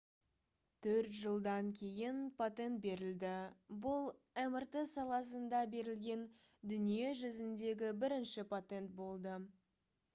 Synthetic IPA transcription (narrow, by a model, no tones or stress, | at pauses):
t̪ʰɵɾt̪ʒəlˠd̪ɑŋkʲʰe̞jɪnpʰot̪e̞nt̪̚be̞ɾɪld̪ɪbʊlˠ | æmɪɾt̪əsɑlˠɑs̬ənd̪ɑbe̞ɾɪlɡʲe̞n | d̪ʏnije̞ʒʏzɪnd̪e̞ɡʲɪbɪɾɪnʃɪpʰot̪e̞nt̪̚bo̞lˠd̪ə